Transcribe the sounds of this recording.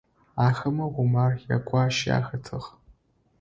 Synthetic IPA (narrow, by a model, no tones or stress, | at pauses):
aːxɐmɐʁʷʊmaːrjakʷʰʼɑːʃja̰ːxɐtʰɨʁ